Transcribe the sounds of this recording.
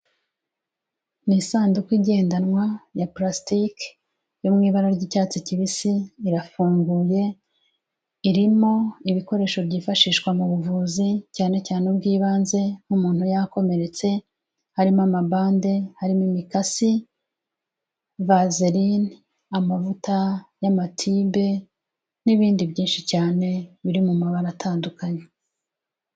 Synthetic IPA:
nisaːndukwiɟe̞ːndanŋwajaplastik | jomŋiːβaɾaɾɟicaːt͡siciβisiːɾafuːŋɡuːje̞ | iɾimo̞iβiko̞ɾe̞ːʃo̞bɟiːfaʃiːʃkwamuβuvuːzicaːne̞caːnebɡiːβaːnze̞n̥humuːnhujako̞me̞ɾe̞t͡se̞ | haɾimamabaːnde̞haɾimimikasi | vazeɾin | amavutajamatʰiːbe̞ | niβiːndibɟiːnʃicaːne̞βiɾimumaβaɾatʰaːndukaɲe

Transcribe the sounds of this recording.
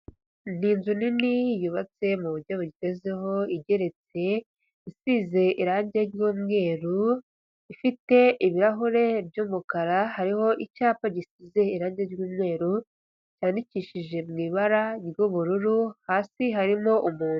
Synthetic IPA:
n̥inzuninijuβat͡se̞muβuɾɟoβuɟiteze̞ɦo̞iɟe̞ɾe̞t͡se̞ | isize̞ʔiɾaːɲɟe̞ɾɟuːmŋe̞ːɾu | ifite̞ʔiβiɾaɦuɾe̞bɟuːmukaɾahaɾiho̞ʔicaːpaɟisize̞iɾaːɲɟeɾɟuːmŋe̞ːɾu | caːndiciʃiʒe̞mŋiːβaɾaɾɡuβuɾuɾuhaːsiɦaɾimo̞ʔumuːnu

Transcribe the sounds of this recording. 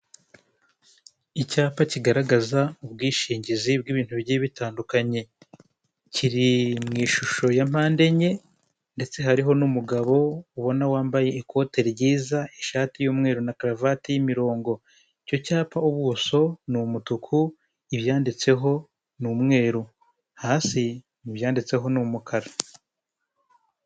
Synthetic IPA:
icaːpaciɡaɾaɡazaubɡiːʃiːɲɟizib̚ɡiβiːn̥tuβiɟiβitaːndukaɲe̞ | ciɾimŋiːʃuʃo̞jam̥aːnde̞ɲe̞ | nde̞t͡se̞ɦaɾiɦo̞numuɡaβo̞uβo̞nawaːmbaje̞ːkʰo̞ːte̞ɾɾɟiːzaeʃaːtijoːmŋe̞ːɾunakɾavatijimiɾo̞ːŋɡo̞ | ico̞caːpauβuso̞numutukʰu | iβjaːndit͡se̞ɦo̞ | numŋe̞ːɾu | haːsi | niβjaːndit͡se̞ɦo̞numukʰaɾa

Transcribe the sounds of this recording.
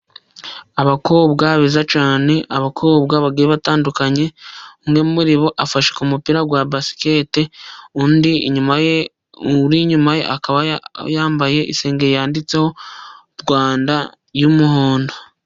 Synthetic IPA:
aβako̞ːbɡaβizat͡ʃaːne̞ʔaβakʰo̞ːbɡaβaɡiɾeβataːndukaɲe̞uŋɡemumuɾiβo̞ʔafaʃekumupiɾaɡwabasi̥keteundiḭɲumaje | uɾiɲumajḛʔa̰kaβajaːmbaje̞ʔḭse̞ːŋɡeɾjaːndit͡se̞ho̞ | ɾɡwaːnda | jumuhoːndo

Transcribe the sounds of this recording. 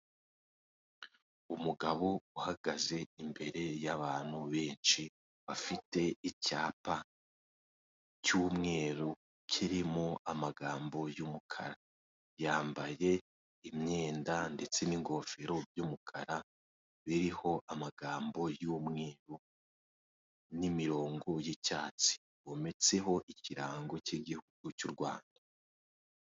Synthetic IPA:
umuɡaβouhaɡaze̞imbe̞ɾe̞jaβaːn̥huβe̞ːnt͡ʃi | βafite̞icaːpa | cuːmŋe̞ːɾu | kʰiɾimoamaɡaːmbo̞jumukʰa̰ɾa | jaːmbaje̞ | imɲe̞ːndande̞t͡se̞niŋɡo̞feɾo̞bjumukʰaɾa | βiɾiho̞ʔamaɡaːmbo̞juːmŋe̞ːɾu | nimiɾo̞ːŋɡo̞jecaːt͡si̥ | βome̞t͡se̞ɦo̞ʔiciɾaːŋɡo̞ciɡihuɡ̥ucuɾɡwa̰ːnda

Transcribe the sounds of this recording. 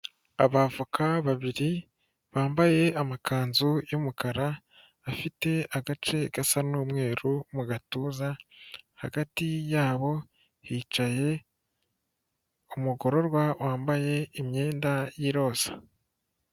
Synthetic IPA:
aβavukʰaβaβiɾi | βaːmbaje̞amakaːnzujomukaɾaː | fite̞aɡat͡ʃe̞ɡ̥asanuːmŋe̞ːɾumuɡatuːzaha̰ɡatijaːβo̞ | hiːt͡ʃaje̞ | umuɡo̞ɾo̞ɾɡwawʔaːmbaje̞imɲe̞ːndajiɾo̞ːz̥ḁ

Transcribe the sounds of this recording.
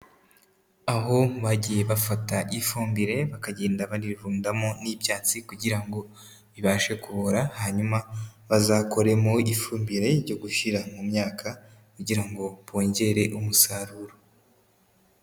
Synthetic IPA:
aɦo̞βaɟije̞βafataʔifuːmbiɾe̞βakaɟe̞ːndaβaɾiɾvuːndamonibjaːt͡sikuɟiɾaŋɡo̞ | βiβaːʃe̞kuβoɾahaɲumaβazaːko̞ɾe̞moifuːmbiɾe̞ɾɟo̞ɡuʃiɾamumɲaːkʰa | kuɟiɾaŋɡo̞βo̞ːɲɟe̞ɾe̞ʔumusaɾuɾo

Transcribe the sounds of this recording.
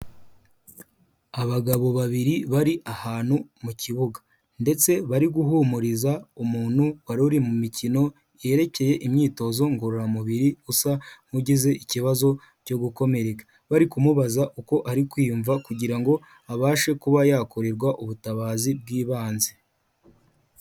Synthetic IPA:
aβaɡaβo̞βaβiɾiβaɾiʔahaːnhumucʰiβuɡḁ | nde̞t͡se̞βaɾiɡuɦumuɾizaumuːn̥huwaɾuɾimumicino̞ | je̞ɾe̞ce̞je̞ʔimɲiːto̞zo̞ŋɡoɾuɾamuβiɾiusam̥uɟize̞ʔiciβazo̞ | co̞ɡuko̞me̞ɾe̞kḁ | βaɾikumuβazaʔuko̞ʔaɾikwiːuɱvakuɟiɾaŋɡo̞ | aβaːʃe̞kuβajakoɾeɾɡwaʔuβutaβaːzib̚ɡiːβaːnze̞

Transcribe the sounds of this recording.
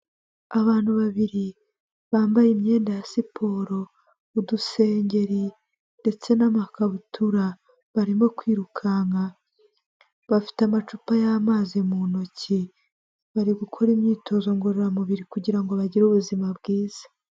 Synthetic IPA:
aβaːn̥huβaβiɾi | βaːmbajimɲe̞ːndajasipʰo̞ːɾo̞ | uduse̞ːɲɟe̞ɾi | nde̞t͡se̞namakaβutʰuɾa | βaɾimo̞kwiːɾukʰaŋa | βafi̥tamat͡ʃupajamaːzimuno̞ci | βaɾiɡukʰo̞ɾimɲiːtʰo̞zo̞ŋɡoɾoɾamuβiɾikuɟiɾaŋɡo̞βaɟiɾuβuzimabɡiːz̥ḁ

